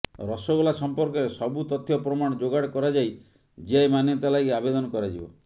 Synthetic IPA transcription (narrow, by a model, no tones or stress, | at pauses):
ɾɔsɔɡulasɔmpɔɾkɔɾesɔbut̪ɔt̪ʰːjɔpɾɔmaɽ̃ɔd͡ʒoɡaɽkɔɾad͡ʒaj | d͡ʒiajmanjɔt̪alajɡabed̪ɔnɔkɔɾad͡ʒibɔ̰